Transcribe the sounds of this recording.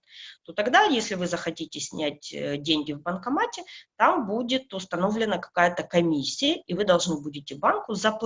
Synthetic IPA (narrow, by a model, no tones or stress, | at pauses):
t̪ot̪ɐɡd̪ajesʲlʲɪvɨzəxɐtʲitʲɪsʲnʲætʲdʲenʲɡʲɪvbənkɐmatʲɪt̪ambudʲɪt̪ʊst̪ɐno̞vlʲɪnəkɐ̥kajət̪əkɐmʲisʲːɪjəivɨd̪ɐlˠʐnɨbudʲɪtʲɪbankʊzɐp